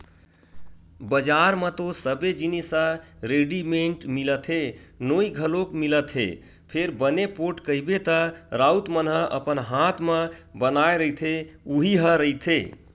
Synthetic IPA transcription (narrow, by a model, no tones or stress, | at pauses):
bəd͡ʒaɾmət̪osəbed͡ʒinisə̃ɾeɖimeɳʈmilət̪ʰɦenoiɡʱəlokmilət̪ɦḛ | pʰeɾbənepoʈkəibet̪əɾaut̪mənɦə̃ʔə̰pənɦat̪ʰməbənaeɾəit̪ʰeuɦiɦə̃ɾəjt̪ʰḛ